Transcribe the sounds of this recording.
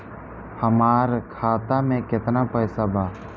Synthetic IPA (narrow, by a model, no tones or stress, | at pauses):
həmaːɾkʰaːt̪amẽkɪt̪napəjsabʱaː